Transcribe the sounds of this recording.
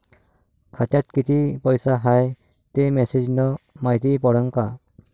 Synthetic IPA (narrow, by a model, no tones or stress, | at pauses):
kʰatat̪̚kitipɔjsaɦaj | t̪emesed͡ʒnɔmajt̪ibɔɾɔŋka